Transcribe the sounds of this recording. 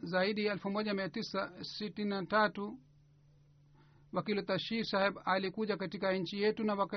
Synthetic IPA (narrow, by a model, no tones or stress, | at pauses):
zaiɗiaɛlfumɔʄamiatisasitininatatu | wakilut̪aʃisahɛɓalikuʄakatikaɲ̩t͡ʃijɛtunawaka